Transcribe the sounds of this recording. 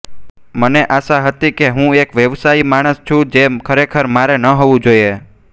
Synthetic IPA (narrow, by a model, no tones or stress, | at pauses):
məneʔaʃaɦət̪ikeɦũekʋjəʋsaimaɽ̃əst͡ʃʰũd͡ʒekʰəɾekʰəɾmaɾenəɦoʋũd͡ʒoie